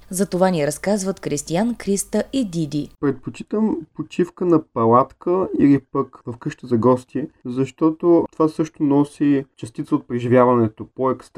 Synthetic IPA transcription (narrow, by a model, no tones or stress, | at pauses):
zɐt̪ovanʲiɛɾɐskazvət̪kɾist̪iankɾist̪əʔid̪id̪ʲipɾɛt̪̚pot͡ʃi̥t̪əmpot͡ʃifkənɐpɐlˠat̪kʰəilipəkvɐfkɤʃt̪əzɐɡɔst̪iɛzɐʃt̪ɔt̪ot̪ovasɤʃt̪onɔsit͡ʃɐst̪it̪səot̪̚pɾɛʒivʲjavɐnɛt̪opoɛkst̪